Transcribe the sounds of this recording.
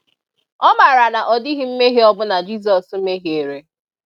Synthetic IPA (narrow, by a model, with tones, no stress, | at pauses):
ɔ˦ma˨ɾa˨na˨ʔɔ˨dɪ˦ɦɪ˦m̩˦me˦ɦe˦ɔ˦bʊ˦na˨d͡ʒi˦s̬ɔ˨sm̩˦me˦ɦi˨e˨ɾe˨